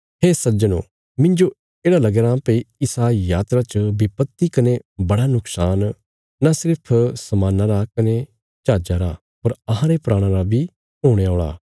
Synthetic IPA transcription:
ɦeːsɐd͡ʒənõ̰ː | mɪ̃ɲd͡ʒo | eːɽalɐɡeɾãːpːiɪsajaːt̪ɾat͡ʃəbɪpət̪ːikɐnebɐɽanʊksaːn | nasɪɾpʰsɐmãːnaɾakɐne | t͡ʃaːd͡ʒaɾa̰ | ɐɾɐɦãɾepɾaːɽ̃ãɾabʱi | ɦoːɽ̃eoːɭa̰ː

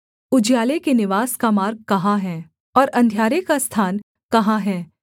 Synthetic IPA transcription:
ʊd͡ʒjaːlekenɪʋaːskamaːɾɡ̚kɐɦãɦɛː | ɔːɾɐ̃nd̪ʱjaːɾekast̪ʰaːn | kɐɦãɦɛː

